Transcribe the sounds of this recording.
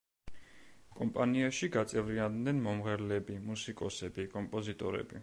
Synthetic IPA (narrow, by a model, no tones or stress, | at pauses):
kʼɔmpʼaniaʃiɡat̪sʼɛvɾiand̪nɛnmɔmʁɛɾlɛbimusikʼɔsɛbikʼɔmpʼɔzit̪ʼɔɾɛ̰bi